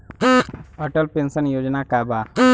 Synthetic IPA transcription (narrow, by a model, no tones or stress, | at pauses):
əʈəlpensənjod͡ʒnakaba